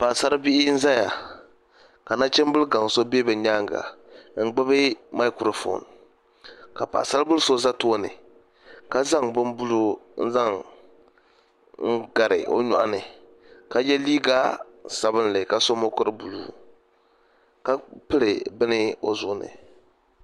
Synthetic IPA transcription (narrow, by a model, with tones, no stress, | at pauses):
pa˨sa˦ɾbɪ˦ʔɪ˦n̩˦za˦ja˨ | ka˨na˦t͡ʃɛ˦m˦bʊ˦lɡa˨ŋ˨so˦be˦bɨ˨ɲaː˦ŋ˨ɡa̰˨ŋ̩˦ɡ͡ba˦bɨ˦ma˦ɪ˦kɾo˨fo̰˨n | ka˨pa̰ː˨sa˦ɾbʊ˦lso˦za˦to˦nɨ̰˨ | ka˦za˦ŋbʊ˦nbu˦lu˦n̩˦za˦ŋ | ŋ̩˦ɡa˨ɾɪ˨ʔo̰˦ɲɔ̰˨ʔa˨nɨ˨ | ka˨jɛ˦liː˦ɡa˦ | sa˨bɨ˦n˦lɪ˨ka˨so˦mo˦kʊ˦ɾɨ˦bu˨lṵː˦ | ka˦pɨ˦lɨ˨bɨ˦nɪ˦o˨zʊ˦nɨ̰˨